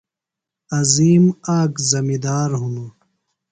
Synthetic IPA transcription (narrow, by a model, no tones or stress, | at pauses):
ɐziːmaːkzɐmid̪aːɾɦunu